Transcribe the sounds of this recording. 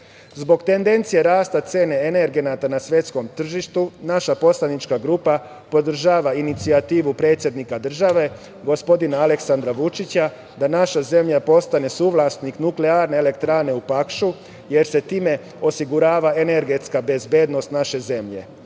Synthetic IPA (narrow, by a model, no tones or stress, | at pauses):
zbo̞ɡt̪e̞nd̪e̞nt̪sije̞ɾaːst̪at̪se̞ːne̞ene̞ɾɡe̞nat̪anasʋje̞t̪sko̞mt̪r̩ʒiʃt̪unaʃapo̞slanit͡ʃkaɡɾupa | po̞d̪r̩ʒaːʋainit̪siat̪iːʋupɾe̞t̪sʲje̞d̪nikad̪r̩ʒaʋe̞ | ɡo̞spo̞d̪inaːle̞ksand̪ɾaʋut͡ʃit͡ɕa | d̪anaʃaze̞mʎapo̞st̪ane̞suːʋlˠasniknukleaːɾne̞ːle̞kt̪ɾaːne̞upakʃu | je̞ɾse̞t̪iːme̞ | o̞siɡuɾaːʋaene̞ɾɡe̞t̪skabe̞zbe̞ːd̪no̞st̪naʃe̞ze̞mʎe̞̰